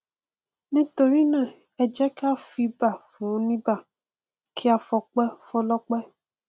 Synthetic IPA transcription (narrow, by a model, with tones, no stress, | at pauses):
nĩ˦to˧ɾi˦nã˦˨ | ɛ˨d͡ʒɛ˦ka˦fi˧ba˦˨fũ˨ɔ̃˦nĩ˦ba˦˨ | kʰi˦a˧fɔ˧k͡pɛ˦fɔ̃˦lɔ˦k͡pɛ˦